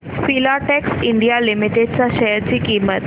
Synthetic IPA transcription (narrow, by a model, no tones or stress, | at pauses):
fiːlaːʈɛːksɪ̃ɳɖijalɪmɪʈeɖsaʃɛɦəɾd͡ʑikiːmət̪